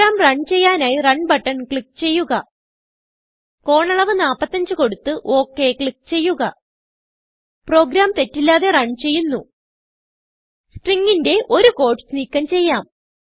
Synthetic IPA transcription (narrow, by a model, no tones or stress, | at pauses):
aːmrɐɳɖt͡ɕe̞jːaːnaːjirɐɳɖbɐʈːɐnkɭik̚ːt͡ɕe̞jːuɣɐ | ko̞ːɳɐɭɐʋɨnaːpːɐt̪ːɐɲd͡ʑɨko̞ɽut̪ːɨʔo̞ːkːe̞kɭik̚ːt͡ɕe̞jːuɣɐ | pro̞ːɡɾaːmt̪e̞tːilːaːðe̞rɐɳɖt͡ɕe̞jːunːu | sʈriŋɡinde̞ʔo̞ɾuko̞ːʈɨ̥sniːkːɐmt͡ɕe̞jːaːm